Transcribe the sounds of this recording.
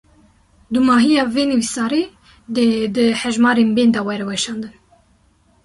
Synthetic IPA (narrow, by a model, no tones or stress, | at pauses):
d̪umɑːɦijɑːveːnɨwisɑːɾe | d̪ed̪ɨhɛʒmɑːɾeːnbeːnd̪ɑwɛɾɛwɛʃɑːnd̪ɨn